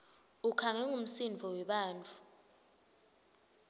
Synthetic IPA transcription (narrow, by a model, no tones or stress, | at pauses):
ukʰaŋɛŋʱum̩sind͡vʱɔwɛɓaːnt͡fʰʼu̥